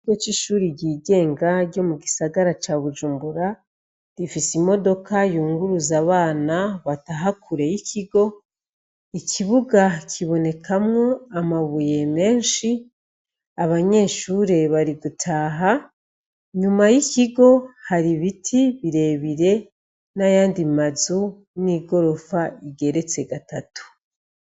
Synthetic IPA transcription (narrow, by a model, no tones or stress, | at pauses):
ɡot͡ʃiʃuːɾiɟiːɡe̞ːŋɡaɾɟo̞muɡisaɡaɾat͡ʃaβuʒuːmbuɾa | ɾifisimo̞do̞kajuːŋɡuɾuzaβaːnaβataɦakʰuɾe̞jicʰiɡo̞ | iciβuɡacʰiβo̞ne̞kʰamŋo̞amaβuje̞me̞ːnʃi | aβaɲe̞ʃuɾe̞βaɾiɡutʰaːɦa | ɲumajiciɡo̞haɾiβitʰiβiɾe̞ːβiɾe̞ | najaːndimazu | niːɡo̞ɾo̞faiɡe̞ɾe̞t͡se̞ɡatatu̥